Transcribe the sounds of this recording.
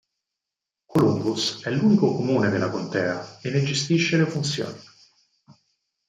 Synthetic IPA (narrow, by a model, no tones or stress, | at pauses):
kolumbusɛluːnikokomuːned̪elːakont̪ɛːaenːed͡ʒest̪iʃːelefunt̪sjo̰ːni